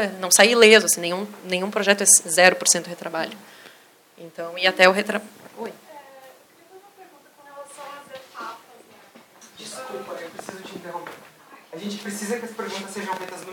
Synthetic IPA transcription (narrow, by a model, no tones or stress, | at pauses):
nɐ̃w̃sailezʊasĩnẽj̃ũnẽj̃ũpɾoʒɛt̪ʊɛszɛɾʊpoɾsẽnt̪ʊhet̪ɾabaʎʊ | ẽnt̪ɐ̃w̃iat̪ɛʊɦet̪ɾaojɛ | iɐ̃ũmɐpeɾɡũt̪ɐkɐ̃helasɐ̃w̃azefatɐ | d͡ʒiskupɐewpɾesizʊt͡ʃɪĩnt̪eɦõw̃peɾ | aʒẽnt͡ʃɪ̥pɾesizɐkɪɐsɐ̥peɾɡũnt̪ɐseʒɐ̃w̃fejt̪ɐznu